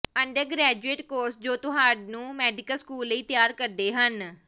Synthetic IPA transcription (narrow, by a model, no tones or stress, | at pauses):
əɳɖəɾɡɾɛːd͡ʒueːʈkoːɾsd͡ʒoːt̪ʊɦãːɖnũːmɛːɖɪkəlskuːlːəiːt̪jaːɾkəɾd̪eːɦən